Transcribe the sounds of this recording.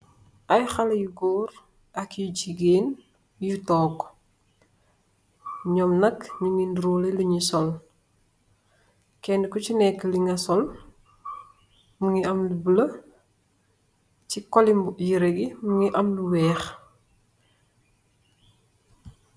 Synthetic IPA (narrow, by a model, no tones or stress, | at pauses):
ʔajxalɐjuɡɔːɾ | ɐkjuɟiɡeːn | jutɔːɡ | ɲɔmnɐkɲuŋinduɾuːleluɲisɔl | kɛndkɔcinɛkːəliŋɡɐsɔl | muŋiɐmlubəlɐ | cikɔlimbjiɾeɡimuŋiʔɐmluwɛːx